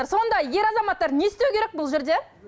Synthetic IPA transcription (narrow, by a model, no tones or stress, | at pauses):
ɾso̞nd̪ɑje̞ɾɑzɑmɑt̪ːɑɾnesɪt̪ewkʲeɾek̚bʊlˠʒe̞ɾd̪e̞